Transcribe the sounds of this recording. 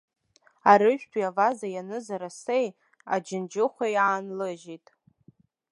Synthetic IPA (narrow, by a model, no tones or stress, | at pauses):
aɾɨʒᶣpʰʷiavazajanɨzaɾasej | ad͡ʒɪnd͡ʒɪχʷajaːnlɨʒitʼ